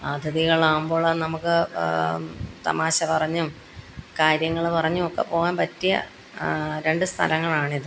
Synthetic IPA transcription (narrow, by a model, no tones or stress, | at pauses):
aːd̪ʱjɐðiɣɐɭaːumboːɭːɐnɐmukːɨ | t̪ɐ̰maːɕɐpɐrɐɲːum | kaːɾjɐŋːɐɭpɐrɐɲːuokːḛpo̞ːɣaːnpɐtːijɐ̰ | ɾe̞ɳɖɨst̪ʰɐ̰lɐŋːɐɭaːɳiðɨ